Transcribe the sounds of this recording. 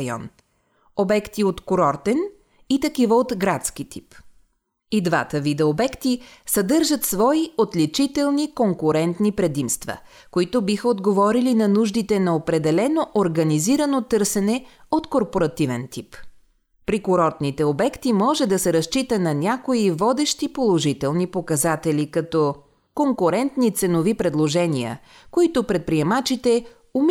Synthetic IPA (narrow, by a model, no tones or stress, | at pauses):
jɔ̰n | obɛkt̪iot̪koɾɔɾt̪ɛn | it̪ɐkivəot̪ɡɾat̪skit̪ʰi̥p | id̪va̰t̪əvid̪ɛobɛkt̪isɐd̪ɤɾʒət̪svɔiot̪lit͡ʃit̪ɛlˠnikoŋkʊɾɛnt̪nipɾɛd̪imst̪və̰ | koit̪ʊbixəod̪ɡovɔɾilinɐnuʒd̪it̪ɛnɐopɾɛd̪ɛlɛnoʔoɾɡɐniziɾənot̪ɤɾsɛnɛot̪koɾpoɾɐt̪ivɛ̰nt̪ip | pɾikʊɾɔt̪nit̪ɛobɛkt̪imɔʒɛd̪ɐsɛɾɐst͡ʃit̪ənɐnʲakoivɔd̪ɛʃt̪ipolˠoʒit̪ɛlˠnipokɐzat̪ɛlikɐt̪ɔ | koŋkʊɾɛnt̪nit̪sɛnovipɾɛd̪lˠoʒɛnʲiə̰ | koit̪ʊpɾɛt̪̚pɾiɛmat͡ʃit̪ɛ | um